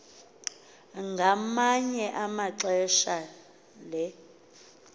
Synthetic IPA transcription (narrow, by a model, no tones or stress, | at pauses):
ŋɡʱamaɲɛʔamaǁɛʃa | lɛ